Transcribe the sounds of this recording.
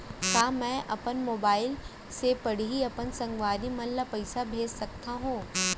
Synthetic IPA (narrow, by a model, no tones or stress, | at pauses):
kaːmɛ̃ːʔɐpənmoːbaːɪl | sepɐɽ̤iiɐpənsɐ̃ŋɡʋaːɾimɐ̃lːapɐɪsabʱeːd͡ʒsɐk̚t̪aɦũː